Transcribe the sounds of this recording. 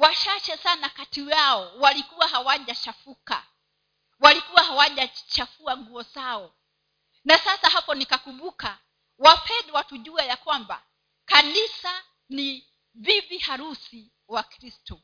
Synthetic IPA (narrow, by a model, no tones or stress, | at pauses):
waʃat͡ʃɛsanakatiwaɔwalikuwaɦawaʄat͡ʃafuka̰ | walikuwaɦawaʄat͡ʃafuaŋɡuɔzaɔ | nasasahapɔnikakumɓuka | wapʰɛdɛwatuʄuajakwamba̰ | kanisa | ni | vivihaɾusi | wakɾistɔ